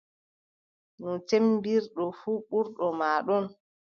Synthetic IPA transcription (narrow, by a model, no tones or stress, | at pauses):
nɔt͡ʃembiɾɗɔfuːɓuɾɗɔmaːɗɔn